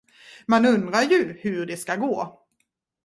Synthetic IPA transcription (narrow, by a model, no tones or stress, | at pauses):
manɵnd̪ɾajɵhɵɖɛskaɡoː